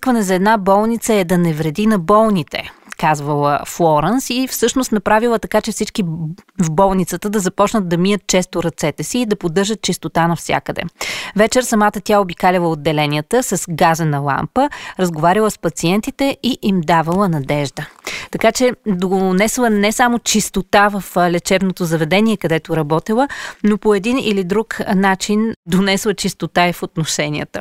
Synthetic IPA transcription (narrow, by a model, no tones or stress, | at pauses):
kvɐnɛzɐɛːd̪nabɔlˠnit̪səɛd̪ɐnɛvɾɛd̪inɐbɔlˠnit̪ɛ̰kazvəlˠə̰flˠɔɾɛnsifsɤʃnost̪nɐpɾavilˠət̪ɐkat͡ʃɛfsit͡ʃkivbɔlˠnit̪sət̪əd̪ɐzɐpɔt͡ʃnət̪̚d̪ɐmijət̪̚t͡ʃɛst̪oɾɐt̪sɛt̪ɛsiːd̪ɐpod̪ːɤɾʒət̪̚t͡ʃist̪ot̪anɐfsʲja̰kəd̪ɛ̰vɛt͡ʃɛɾsɐmat̪ət̪ʲjaobikalʲilˠəod̪ːɛlɛnijət̪əsɐsɡazənɐlˠa̰mpəɾəzɡovaɾʲilˠəspɐt̪siɛnt̪it̪ɛiʔimd̪avɐlˠənɐd̪ɛʒd̪ət̪ɐkat͡ʃɛd̪onɛslˠənɛsamot͡ʃist̪ot̪avəflɛt͡ʃɛvnot̪ozɐvɛd̪ɛniɛkɐd̪ɛt̪oɾɐbɔt̪ilˠənopoɛd̪inḭlid̪ɾuknat͡ʃind̪onɛslˠət͡ʃist̪ot̪aifot̪noʃɛnḭə̰t̪ə